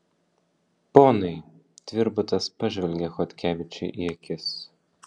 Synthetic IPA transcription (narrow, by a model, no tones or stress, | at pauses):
poːnɐɪ | t̪ʲʋʲɪɾbʊt̪ɐspɐʒʲʋʲɛlʲɡʲɛxɔt̪ʲkʲæːʋʲɪt͡ʃʲɛɪʔiɛkʲɪs